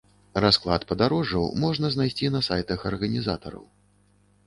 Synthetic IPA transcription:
rasklˠat̪pɐd̪aɾɔʐɐwmɔʐnɐznajsʲt͡sʲinɐsajt̪ɐxɐrɣɐnʲizat̪ɐ̰ɾɐ̰w

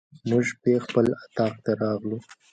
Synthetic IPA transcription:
muʒpexpəlat̪ɑq̚t̪aɾɑɣlu

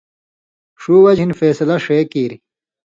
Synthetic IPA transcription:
ʂuːwɐd͡ʑʱinfeːsɐlɐʂeːkiːɾi

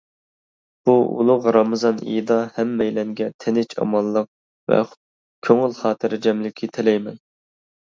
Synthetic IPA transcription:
b̥uṵlˠʊʁɾɑmɨzɑnḭjd̪ɑhɛmːɛjlɛŋɡʲɛt̪ʰɪnɪt͡ʃʰɑ̰mɑlˠːəq̚ | vɛ̰χ | kʲʰøŋɪlˠχɑːt̪ʰɨɾɪd͡ʒɛmlɪkʲʰit̪ʰɪlɛjmɛn

